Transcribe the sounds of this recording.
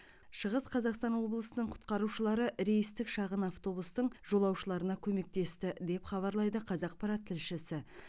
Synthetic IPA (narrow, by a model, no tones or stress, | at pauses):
ʃəʁəsqʰɑzɑqst̪ɑnwo̞blˠəsənəɴqʰʊ̥t̪qɑɾuʃəlˠɑɾəʔɾe̞jist̪ɪkʃɑʁənɑft̪o̞bust̪əɴʒo̞lˠɑwʃəlˠɑɾənɑkʲʰɵme̞k̚t̪e̞st̪ɪd̪e̞pχɑβɑɾlˠɑjd̪əqʰɑzɑq̚pɑɾat̪ʰːɪlʃɪsɪ